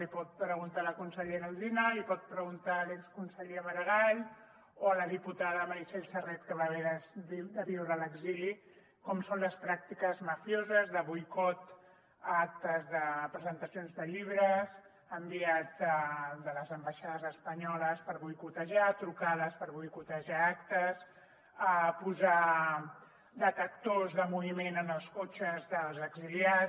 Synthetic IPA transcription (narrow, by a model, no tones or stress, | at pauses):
lipɔt̪̚pɾəɣ̞unt̪aləkunsəʎeɾəlˠd̪inəlipɔt̪̚pɾəɣunt̪alɛkskunsəʎeəβəɾəɣaʎ | oələðiput̪aðəməɾisɛʎsərɛt̪kəβaβɛðəid̪əβiwɾələɡzili | kɔmsonləspɾak̚t̪ikəzməfjozəzðəβujkɔt̪ | ak̚t̪əzðəpɾəzənt̪əsionzðəʎiβɾəz | əmbiad͡zd̪əd̪ələzəmbəʃaðəzəspəɲɔləspəɾβujkut̪əʒat̪ɾukaðəspəɾβujkut̪əʒaakt̪əs | əpuza | d̪ət̪əkt̪ozðəmuβimenənəlˠskot͡ʃəzðəlˠzəɡzilia